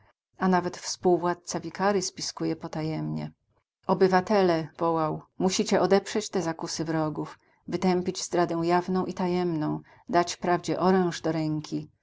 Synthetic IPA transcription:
anavɛt̪fspuwvwat̪̚t̪savʲikaɾɘspʲiskujɛpɔt̪ajɛmɲɛ̰ | ɔbɘvat̪ɛlɛvɔwawmuɕit͡ɕɛʔɔd̪ɛpʂɛt͡ɕt̪ɛzakusɘvɾɔɡuf | vɘt̪ɛmpʲid͡ʑzd̪ɾad̪ɛ̃w̃javnɔ̃w̃ʔit̪ajɛmnɔ̃w̃ | d̪at͡ɕpɾavd͡ʑɛʔɔɾɛ̃w̃ʐd̪ɔɾɛŋkʲi

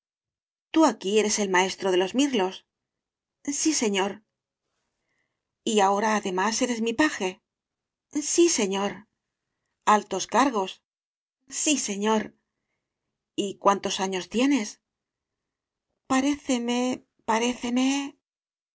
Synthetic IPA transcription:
t̪uakie̞ɾe̞se̞lmae̞st̪ɾo̞ð̞e̞lo̞zmiɾlo̞s | sise̞ɲo̞ɾ | iao̞ɾaːðe̞mase̞ɾe̞zmipaxe̞ | sise̞ɲo̞ɾ | alt̪o̞skaɾɣo̞s | sise̞ɲo̞ɾ | ikwant̪o̞saɲo̞st̪je̞ne̞s | paɾe̞θe̞me | paɾe̞θe̞me̞

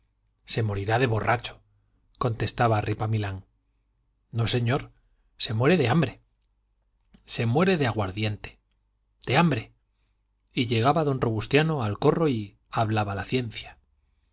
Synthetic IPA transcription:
se̞mo̞ɾiɾaðe̞βo̞rʔat͡ʃo̥ | ko̞nt̪e̞st̪aβarʔipamilaŋ | no̞se̞ɲo̞ɾ | se̞mwe̞ɾe̞ðe̞ambɾe̞ | se̞mwe̞ɾe̞ðeaɣwaɾðje̞nt̪e̥ | d̪̥e̞ambɾe̞ | iʝe̞ɣ̞aβaðo̞nro̞βust̪jano̞alko̞ro̞i | aβlaβalaθje̞nθja

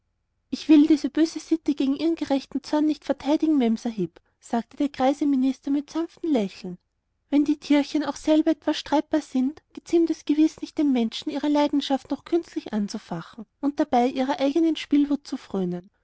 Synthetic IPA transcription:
ʔɪçv̥ɪldiːzəb̥øːzəsɪtəɡ̥eːɡŋ̩ʔiːʁənɡ̥əʁɛçtn̩t͡sɔɐnːɪçtfɛɐtʰaɪdɪɡŋ̩mɛmsɐɦɪp | saːk̚təd̥eːɐɡʁ̥aɪzəmɪnɪstɐmɪtsamftn̩lɛçl̩n̩ | vɛndiːkʰɪɐçənaʊxsɛlbɐɛtv̥asʃtʁ̥aɪt̚b̥aːɐzɪntɡ̥ət͡sɪmtɛsɡ̥əvɪsnɪçtd̥eːmːɛnʃn̩iːʁəlaɪdn̩ʃaftnɔχkʰʏnstlɪçʔant͡sufaχn̩ʔʊnt̚d̥ab̥aɪʔiːʁɐʔaɪɡənənʃpiːlvʊt̚t͡sufʁ̥øːnən

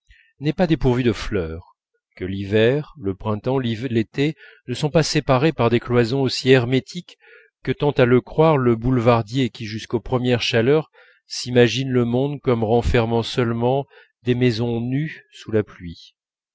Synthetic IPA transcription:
nɛpad̪epuʁvyd̪əflœːʁ | kəlivɛʁləpχɛ̃t̪ɑ̃livlet̪e | nəsɔ̃pasepaʁepaʁd̪eklwazɔ̃osiɛʁmet̪ʰikː | ət̪ɑ̃t̪aləkχwaʁləbulvaʁd̪jekʲiʒyskopχəmjɛʁʃalœʁ | simaʒinləmɔ̃d̪kɔmʁɑ̃fɛʁmɑ̃sœlmɑ̃ | d̪emezɔ̃nysulaplɥi

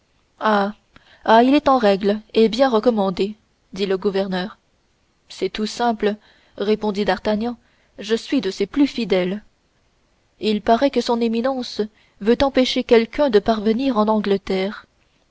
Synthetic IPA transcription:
a | ailɛt̪ɑ̃ʁɛɡlebjɛ̃ʁəkɔmɑ̃d̪e | d̪iləɡuvɛʁnœːʁ | sɛt̪usɛ̃plə | ʁepɔ̃d̪id̪aʁt̪aɲjɑ̃ | ʒəsɥid̪əseplyfid̪ɛl | ilpaʁɛkəsɔ̃neminɑ̃s | vøt̪ɑ̃peʃekʲɛlkʲœ̃d̪əpaʁvəniʁɑ̃nɑ̃ɡlət̪ɛːʁ

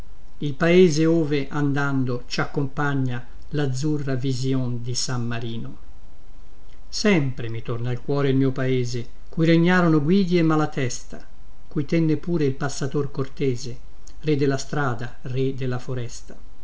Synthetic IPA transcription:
ilpaeːzeoːveʔand̪and̪ot͡ʃakːompaɲːa | lad̪zːurːavizjond̪isamːaɾiːno | sɛmpɾemit̪ornailkwɔːɾeilmiːopaeːze | kujɾeɲːaːɾonoɡwiːd̪jemːalat̪ɛst̪a̰ | kujt̪ɛnːepuːɾeilpasːat̪orkort̪ɛːze | red̪elːast̪ɾaːd̪a | red̪elːafoɾɛst̪ḁ

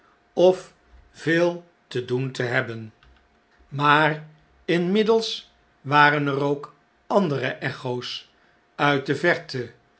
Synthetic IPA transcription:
ɔf | v̥ɪːlˠ | təduntəɦɛbən | maːr | ɪnmɪdəlˠs | ʋaːrənərowk | ɑndərəʔɛχows | œɥt̚dəvɛɹtə

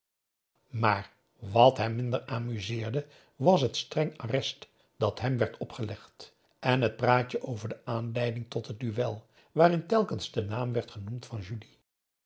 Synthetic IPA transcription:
maːɹ | ʋɑtɦɛmːɪndəɹaːmyzɪːɹdə | ʋɑs̬ɦətstrɛŋarɛst | d̥ɑtɦɛmʋɛɹtɔpχəlɛχt | ʔɛnɦət̚praːt͡ʃəʔowvəɹdəʔaːnlɛjdɪŋtɔtɦət̚dyʋɛlˠ | ʋaːrɪntɛlˠkənzdənaːmʋɛɹtχənumtfɑnʒyli

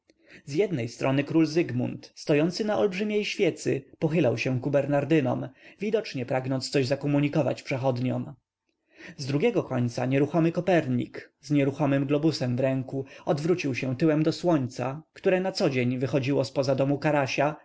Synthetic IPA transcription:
zjɛd̪nɛjst̪ɾɔnɘkɾulzɘɡmṵnt̪st̪ɔjɔnt̪sɘnaʔɔlbʐɘmʲjejɕfʲjɛt̪sɘ̰pɔxɘlawɕɛkubɛɾnaɾd̪ɘnɔ̰mvʲid̪ɔt͡ʂɲɛpɾaɡnɔnt̪st̪sɔʑzakɔmuɲikɔva̰t͡ɕpʂɛxɔd̪ɲɔ̰m | zd̪ɾuɡʲɛɡɔkɔɲʲt̪sa̰ɲɛɾuxɔmɘkɔpɛɾɲḭkzɲɛɾuxɔmɘmɡlɔbusɛmvɾɛŋkuɔd̪vɾut͡ɕiwɕɛ̃t̪ɘwɛmd̪ɔswɔɲt̪sa̰kt̪uɾɛnat̪sɔd͡ʑeɲvɘxɔd͡ʑiwɔspɔzad̪ɔmukaɾaɕa

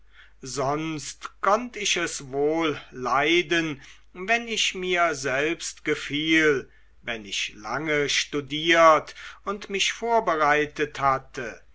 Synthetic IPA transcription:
zɔnstkʰɔntɪçɛsvoːlːaɪdən | vɛnɪçmiːɐzɛlpstɡ̥əfiːl | vɛnɪ̰çla̰ŋəʃtudiːɐtʊntmɪçfoːɐbəʁaɪtəthatə

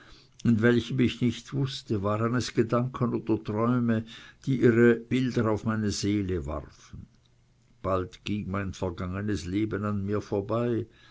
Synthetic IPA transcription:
ɪnvɛlçəmɪçnɪçtv̥ʊstəvaːʁənɛsɡ̥ədaŋkʰənoːd̥ɐtʁ̥ɔʏməd̥iːʔiːʁəb̥ɪldɐaʊfmaɪnəzeːləva̰ʁfn̩ | b̥altɡ̥iŋmaɪnfɛɐɡaŋənəsleːbənanmiːɐfoːɐbaɪ

